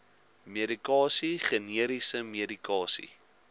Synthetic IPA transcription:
meəɾikɑːsiχəniəɾisəmeədikɑːsḭ

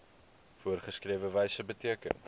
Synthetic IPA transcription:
fuərχəskriəvəvɛjsəbətiəkə̰n

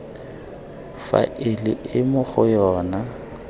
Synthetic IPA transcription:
fa̰ʔɪlɪɪmʊχʊjɔːna

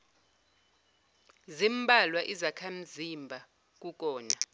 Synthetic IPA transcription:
zimbʱalwaʔizakʰam̩zimbʱa | k̬ʼuk̬ʼɔːna

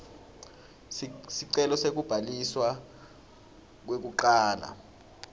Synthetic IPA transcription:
siǀɛlɔsek̬ub̥ʱaliswa | k̬wek̬uǃaːla̰

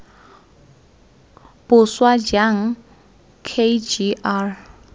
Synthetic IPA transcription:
pʊswad͡ʒaŋ̩ | kʰed͡ʒiʔar

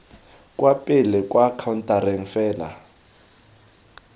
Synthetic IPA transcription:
kʼwapʼilɛkʼwakʰawntʼaɾɛŋ̩fɛːla̰

